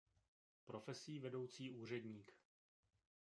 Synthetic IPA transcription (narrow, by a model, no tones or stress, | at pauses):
pɾo̞fɛsiːvɛdo̞wt͡siːʔuːr̝ɛdɲiːk